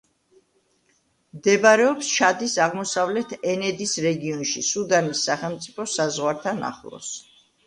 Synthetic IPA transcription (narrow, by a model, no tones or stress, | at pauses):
md̪ɛbaɾɛɔpsʃʰad̪isaʁmɔsavlɛt̪ʰɛnɛd̪isɾɛɡiɔnʃisud̪anisːaχɛlˠmpt̪sʼipʰɔsazʁwaɾt̪ʰana̰χlˠɔ̰s